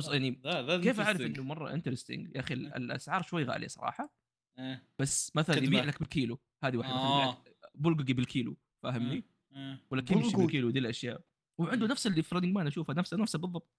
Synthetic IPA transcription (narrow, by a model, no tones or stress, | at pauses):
sjaʕnikeːfʔaʕɾɪʔɪnːʊmɑrˤːɑ̰ʔɪ̰nt̪ɾɪst̪ɪ̰ŋɡaʔaxil̰lʔa̰sʕɑːɾˤʃwajːɣa̰ːlḭsˤɑ̰ɾˤɑ̰ːħɑ | eb̥asːmaθalanjbiːʕlakbɪlkiːlu | haːðiwaːħd̪mabʊlɡɡibɪlkʰiːlu | faɦɪmni | wɪlːakɪmʃɪlkiːlud̪iːlʔaʃjaːʔ | wɪʕɪnd̪ʊnafsɪlːifɾɑd̪ɪŋɡmanʔaʃuːfhanafsanafsabɨðˤːɑb̚t̪̚ˤ